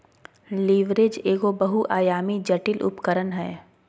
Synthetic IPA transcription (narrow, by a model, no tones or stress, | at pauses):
liːʋɾed͡ʒeːɡobɐɦuʔaːjaːmid͡ʒɐʈɪlʔʊ̰pkəɾənɦɛː